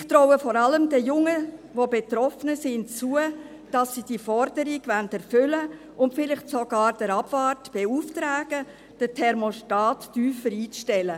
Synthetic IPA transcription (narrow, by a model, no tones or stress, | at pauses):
ɪxt̪ɾɔwəfɔɾɑləmdəjʊŋəʋobetɾɔfənəsɪnt͡suə | d̥ɑsːid̥ifɔɾdəɾiɡ̥vændɛɾfʏlə | ʊntfɪlɪχtsoɡɑːɾd̥əɾɑb̥vɑːrtb̥euːftɾæːɡ̥ə | d̥ətʰɛɾmoʃtɑːtːyːfəɾiːt͡sʃtɛlə